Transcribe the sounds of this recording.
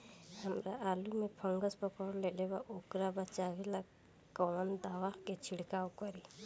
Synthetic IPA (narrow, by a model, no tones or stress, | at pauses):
həmɾaʔalumepʰəŋɡəspɔkɔɽlɛlɛbaʔokɾabat͡ʃabɛla | kɔand̪awahket͡ʃʰiɽkawkɔɾi